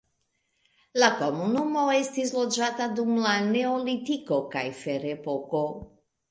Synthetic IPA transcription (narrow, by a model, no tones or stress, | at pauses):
lakomunumoest̪izlod͡ʒat̪ad̪umlaneolit̪ikoka̰jfeɾepoko